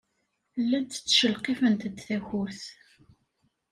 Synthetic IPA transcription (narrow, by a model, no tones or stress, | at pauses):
lːæd̪t͡sːʃəlqefənt̪d̪θæçuɾθ